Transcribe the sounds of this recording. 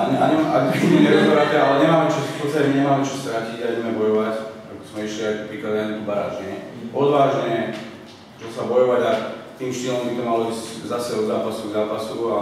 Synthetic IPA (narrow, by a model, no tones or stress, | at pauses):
aɲa̰ɲiaɡbimɛɲɛɾat̪ɛalɛɲɛmaːmɛt͡ʃɔfpɔt̪st̪acɛmɛɲɛmaːmɛt͡ʃɔst̪ɾaciɟabɛɟɛmɛbɔjɔʋac | a̰kɔzmɛiʃliat̪ɔpɾikazaɲɛɔbaɾa̰ːʒɲɛ | ɔd̪ʋaːʒɲɛ | t͡ʃɔsabɔjɔʋaɟat̪iːmʃt̪iːlɔmbit̪ɔmalɔizczasɛɔd̪zaːpasuɡzaːpasua